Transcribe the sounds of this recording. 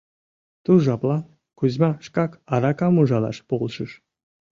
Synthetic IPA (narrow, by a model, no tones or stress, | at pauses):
t̪uʒɑplˠɑ | kuzmɑʃkɑkɑɾɑkɑmuʒɑlˠɑ̰ʃpolˠʃɯʃ